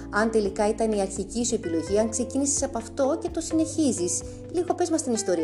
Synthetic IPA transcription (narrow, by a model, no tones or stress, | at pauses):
ɐnt̪e̞likɐit̪ɐniɐɾçicisue̞pilo̞ʝiɐŋkse̞cinisi̥sɐpoɐft̪o̞ce̞t̪o̞sine̞çizis | liɣo̞pe̞zmɐst̪inist̪o̞ɾi